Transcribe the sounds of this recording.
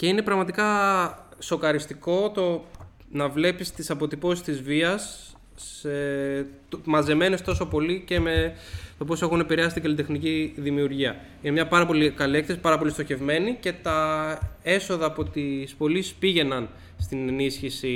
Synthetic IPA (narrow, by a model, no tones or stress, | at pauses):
ce̞ine̞pɾɐɣmɐt̪ikɐ | so̞kɐɾist̪iko̞t̪o̞ | nɐvle̞pist̪isɐpo̞t̪ipo̞si̥st̪izviɐs | et̪mɐze̞me̞ne̞st̪o̞so̞po̞lice̞met̪o̞p̬o̞se̞xune̞piɾeɐsit̪iɡɐlit̪̬e̞xniciðimiuɾʝiɐ | inemɲɐpɐɾɐpo̞likɐlie̞kθesi̥pɐɾɐpo̞list̪o̞çe̞vme̞nice̞t̪ɐ | e̞so̞ðɐːpo̞t̪ispo̞lisspiʝe̞nɐn | st̪ine̞nisçisi